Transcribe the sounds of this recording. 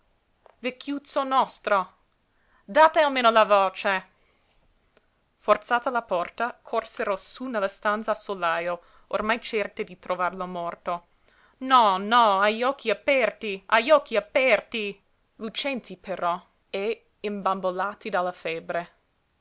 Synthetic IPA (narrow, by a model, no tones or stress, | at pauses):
vekʰːjut̪sonɔst̪ɾo | d̪aːt̪ealmeːnolavoːt͡ʃe | fort̪saːt̪alapɔrt̪akʰorseɾosunelast̪ant̪sasolajo | ormajt͡ʃɛrt̪ed̪it̪ɾovarlomɔrt̪o | nɔnɔajɔk̟ːiapɛrt̪iajɔk̟ːiapɛrt̪i | lut͡ʃɛnt̪ʰipeɾɔ | e | imbambolaːt̪id̪alːafɛbɾe